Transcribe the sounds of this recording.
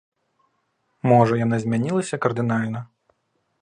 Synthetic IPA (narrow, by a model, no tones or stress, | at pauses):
mɔʐɐjanazʲmʲanʲilˠɐsʲɐkɐrd̪ɨnalʲnɐ